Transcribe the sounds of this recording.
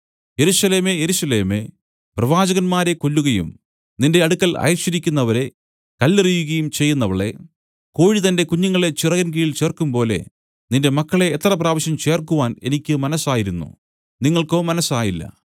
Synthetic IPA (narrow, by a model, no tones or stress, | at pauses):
je̞ɾusɐle̞ːmejeɾuɕɐle̞ːme̞̰ | prɐʋaːd͡ʑɐɣɐnmaːɾe̞ko̞lːuɣɐjṵm | ninde̞ɐɽukːɐla̰ːjɕɐɾikʲːunːɐʋɐɾe̞ | kɐlːirijuɣɐjumt͡ɕe̞jːunːɐʋɐɭe̞̰ | ko̞ːɻit̪ɐnde̞kuɲːuŋːɐɭe̞t͡ɕirɐɣɐnɡɐjilt͡ɕe̞ːrkumpo̞ːle̞̰ | ninde̞mɐkːɐɭe̞ːt̪ːɐrɐpraːʋɐɕjɐmt͡ɕe̞ːrkuʋaːne̞̰nikʲːɨmɐnɐsaːjiɾunːṵ | niŋːɐɭko̞ːmɐnɐsaːjilːɐ̰